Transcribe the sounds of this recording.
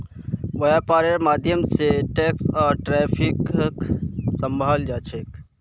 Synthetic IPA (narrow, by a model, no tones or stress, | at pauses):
ʋəjapaːɾeɾmaːd̪ʱjəmseʈeːksɔːɾʈɾɛːpʰikksəmbʱaːld͡ʒaːt͡ʃʰek